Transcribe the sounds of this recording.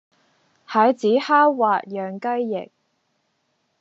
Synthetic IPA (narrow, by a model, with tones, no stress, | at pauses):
hɐ˨˥jt͡siː˨˥haː˥waː˨t̚jœː˨ŋkɐ˥jːɪ̰˨˩k̚